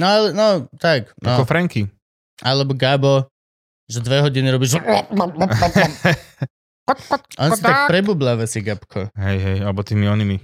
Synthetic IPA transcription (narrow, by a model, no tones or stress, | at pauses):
nɔalɛnɔt̪aknaɔkɔfɾɛŋki | ʔa̰lɛbɔɡabɔ | ʒɛd̪ʋɛɦɔɟiniɾɔbiʒ | ʔɔnsit̪ak̚pɾɛbuːblaʋɛsiɡapkʰɔɦɛjɦɛjalɛbɔt̪iːmiɔnimi